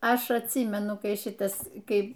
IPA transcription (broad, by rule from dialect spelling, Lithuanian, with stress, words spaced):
ˈɐʃ ɐtʲˈsʲiːmʲɛnʊ ˈkɐɪ ˈʃʲɪtɐs ˈkɐɪ